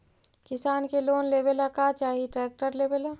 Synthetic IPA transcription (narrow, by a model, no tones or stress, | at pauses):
kɪsaːnkeloːnleːbelakat͡ʃaːɦiʈɾɛːk̚ʈəɾleːbela